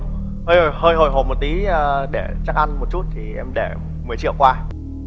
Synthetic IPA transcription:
həː˧jho˨˩jhəː˧jɦo˨˩jɦo˨˩jmo˨˩t̚t̪i˨˦əː˨ɗe˧˩t͡ɕaː˦˥k̚ʔa˧nmo˨˩t̚t͡ɕu˦˥t̚t̪ʰi˨˩ʔɛ˧mɗe˧˩ | mɨ˨˩ət͡ɕḭ˧˨əwkwaː˧

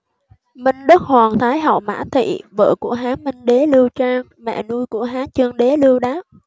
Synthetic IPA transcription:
mï˧ŋ̟ɗə˦˥k̚hwaː˨˩ŋt̪ʰaː˨˦jɦa̰˧˩wma̰ː˧˥t̪ʰḭ˧˨və̰ː˧˨ku˧˩əɦaː˨˦mï˧ŋ̟ɗe˨˦lɨ˧əwt͡ɕaː˧ŋ | mɛ̰˧˨nu˧jku˧˩əɦaː˨˦t͡ɕɨ˧əŋɗe˨˦lɨ˧əwɗaː˦˥p̚

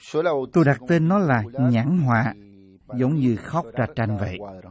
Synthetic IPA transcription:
t̪o˧jɗa˨˩k̚t̪e˧nːɔ˨˦laː˨˩ɲa˧˥nɦwa̰ː˧˨ | zə˨˦wŋ͡mɲɨ˧xɔ˦˥wk͡p̚za˨˧˩t͡ɕa˧jnvə̰˧˨j

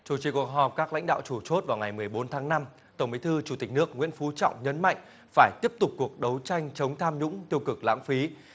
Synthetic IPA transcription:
t͡ɕu˧˩t͡ɕi˨˩ku˨˩ək̚ɦɔ˨˩p̚kaː˦˥kla̰˧˥jŋ̟ɗa̰ː˧˨wt͡ɕu˧˩t͡ɕo˦˥t̚vaː˨˩wŋa˨˩jmɨ˨˩əjɓo˨˦nt̪ʰaː˨˦ŋna˧m | t̪ə˧˩wŋ͡mɓi˨˦jt̪ʰɨ˧t͡ɕu˧˩t̪i˨˩k̟̚nɨ˦˥ək̚ŋwḭ˧˥ənfu˨˦t͡ɕɔ̰˧˨wŋ͡mɲə˨˦nma̰˧˨jŋ̟ | faː˧˩jt̪i˦˥əp̚t̪ʊ˨˩k͡p̚kːu˨˩ək̚ɗə˨˦wt͡ɕa˧jŋ̟t͡ɕə˨˦wŋ͡mt̪ʰaː˧mɲʊ̰˧˥ŋ͡mt̪i˧əwkɨ˨˩k̚la̰ː˧˥ŋfi˨˦

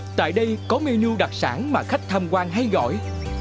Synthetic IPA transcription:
t̪a̰ː˧˨jɗə˧jkɔ˨˦me˧nu˧ɗa˨˩k̚sa̰ː˧˩nmaː˨˩xa˦˥k̚t̪ʰaː˧mkwaː˧nɦa˧jɣɔ̰˧˨j

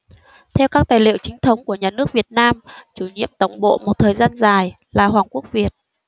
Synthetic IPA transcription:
t̪ʰɛ˧wkaː˦˥k̚t̪aː˨˩jlḭ˧˨əwt͡ɕï˨˦ŋ̟t̪ʰə˨˦wŋ͡mku˧˩əɲaː˨˩nɨ˦˥ək̚vi˨˩ət̚naː˧mt͡ɕu˧˩ɲḭ˧˨əmt̪ə˨˧˩wŋ͡mɓo̰˧˨mo˨˩t̚t̪ʰəː˨˩jzaː˧nzaː˨˩j | laː˨˩ɦwaː˨˩ŋku˦˥ək̚vi˨˩ət̚

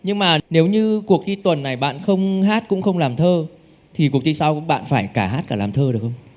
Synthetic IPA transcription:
ɲɨ˧ŋmaː˨˩ne˨˦wɲɨ˧ku˨˩ək̚t̪ʰi˧t̪wə˨˩nːa˨˩jɓa̰ː˧˨nxə˧wŋ͡mɦaː˦˥t̚kʊ̰˧˥ŋ͡mxə˧wŋ͡mlaː˨˩mt̪ʰəː˧ | t̪ʰi˨˩ku˨˩ək̪̚ʰi˧saː˧wkʊ̰˧˥ŋ͡mɓa̰ː˧˨nfaː˧˩jkaː˧˩ɦaː˦˥t̚kaː˧˩laː˨˩mt̪ʰəː˧ɗəkxə˧wŋ͡m

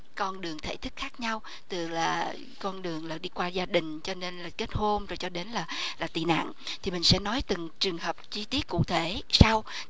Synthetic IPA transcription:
kɔ˧nɗɨ˨˩əŋt̪ʰe˧˩t̪ʰɨ˦˥k̚xaː˦˥k̚ɲa˧w | t̪ɨ˨˩laː˨˩ | kɔ˧nɗɨ˨˩əŋlaː˨˩ɗi˧kwaː˧zaː˧ɗï˨˩ŋ̟t͡ɕɔ˧ne˧nlaː˨˩ke˦˥t̚ho˧mzo˨˩jt͡ɕɔ˧ɗe˨˦nlaː˨˩laː˨˩t̪ḭ˨˩na̰ː˧˨ŋ | t̪ʰi˨˩mï˨˩ŋ̟sɛ̰˧˥nɔ˨˦jt̪ɨ˨˩ŋt͡ɕɨ˨˩əŋhəː˨˩p̚t͡ɕi˧t̪i˦˥ət̚kṵ˧˨t̪ʰe˧˩sa˧w

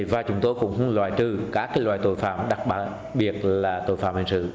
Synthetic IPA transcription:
vaː˨˩t͡ɕʊ˨˦ŋ͡mt̪o˧jkʊ̰˧˥ŋ͡mhɨ˨˧˦ŋlwa̰ː˧˨jt͡ɕɨ˨˩kaː˧˦˥kaː˨˦lwa̰ː˧˨jt̪o˧˨jfa̰ː˧˨mɗa˨˩k̚ɓaː˧˩ | ɓi˨˩ət̚laː˨˩t̪o̰˧˩˨jfaː˧˨mhï˨˧˩ŋsɨ̰˧˨

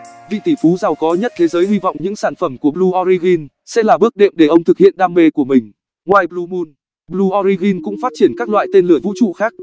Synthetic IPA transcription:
vḭ˧˨t̪i˧˩fu˨˦za˨˩wkɔ˨˦ɲə˦˥t̚t̪ʰe˨˦zəː˨˦jhi˧vɔ̰˧˨wŋ͡mɲɨ̰˧˥ŋsaː˧˩nfə˧˩mku˧˩əblu˧ʔɔ˧ɾi˧ɣi˧n | sɛ̰˧˥laː˨˩ɓɨ˦˥ək̚ɗḛ˧˨mɗe˧˩ʔə˧wŋ͡mt̪ʰɨ˨˩k̚hḭ˧˨ənɗaː˧mme˧ku˧˩əmï˨˩ŋ̟ | ŋwaː˧jɓlu˧mu˧n | ɓlu˧ʔɔ˧ɾi˧ɣi˧nkʊ̰˧˥ŋ͡mfaː˦˥t̚t͡ɕi˧˩ənkaː˦˥k̚lwa̰ː˧˨jt̪e˧nlɨ˨˩əvṵ˧˥t͡ɕṵ˧˨xaː˦˥k̚

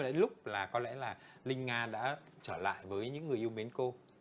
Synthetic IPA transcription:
lʊ˦˥k͡p̚laː˨˩kɔ˨˦lɛ̰˧˥laː˨˩lï˧ŋ̟ŋaː˧ɗa̰ː˧˥t͡ɕəː˧˩la̰ː˧˨jvəː˨˦jɲɨ̰˧˥ŋːɨ˨˩əʔwmi˨˦nko˧

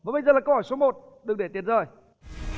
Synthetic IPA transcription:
vaː˨˩ɓə˧jzəː˨˩lːa˨˩kə˧whɔ˧˩jso˨˦mo˨˩t̚ | ɗɨ˨˩ŋ̚ɗe˧˩i˨˩ət̚zəː˨˩j

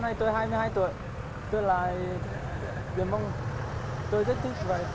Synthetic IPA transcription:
na˧jt̪o˧jɦaː˧jmɨ˧əhaː˧jt̪ṵ˧˩˨əj | t̪o˧jla̰ː˧˨j | ḭ˨˩ənmvə˧wŋ͡m | t̪o˧jt̪ʰi˦˥t̚t̪ʰɨ˦˥k̚vaː˨˩

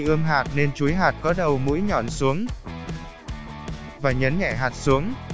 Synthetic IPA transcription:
ʔɨ˧əmɦaː˨˩t̚ne˧nt͡ɕu˨˦jɦaː˨˩t̚kɔ˨˦ɗə˨˩wmṵ˧˥jɲɔ˧˩nsu˨˦əŋ | vaː˨˩ɲə˨˦nɲɛ̰˧˩ɦaː˨˩t̚su˨˦əŋ

